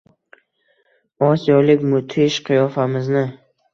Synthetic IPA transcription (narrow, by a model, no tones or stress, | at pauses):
ɒsijɒlɪkʲmʊt̪ʰɪʃqʰɨjɒfamɪznɪ